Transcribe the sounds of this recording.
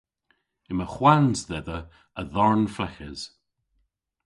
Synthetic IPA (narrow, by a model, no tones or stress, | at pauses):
ɪməxwanzðɛðə | əðɔɹnflɛxəz̥